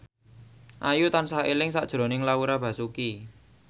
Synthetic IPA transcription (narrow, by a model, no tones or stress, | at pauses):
ʔajut̪ansaɦelɪŋsaʔd̥ʒ̥ɾo̤nɪŋlauɾab̥ä̤suki